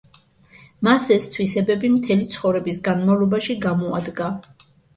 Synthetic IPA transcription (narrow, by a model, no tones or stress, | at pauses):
masɛst̪ʰwisɛbɛbimt̪ʰɛlit̪sʰχɔvɾɛbisɡanmavlˠɔbaʃiɡamɔa̰d̪ɡa